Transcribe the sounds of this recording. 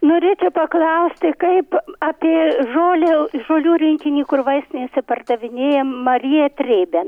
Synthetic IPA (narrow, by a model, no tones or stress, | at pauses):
noːɾʲeːt͡ʃʲɛʊpɐklˠɐʊsʲt̪ʲɪkɐɪpɑːpʲeːʒoːlʲeʒoːlʲuːɾʲɪŋʲkʲɪnʲiːkʊrʋɐɪsʲt̪ʲɪnʲesʲɪpɐrd̪ɐʋʲɪnʲeːjɛmɐɾʲijɛt̪ʲrʲeːbʲe